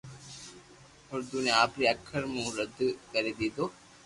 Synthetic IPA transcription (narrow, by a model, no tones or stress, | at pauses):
hʊɾd̪uneaːpɾiɐkʰːəɾmũɾəd̪kɐɾed̪id̪o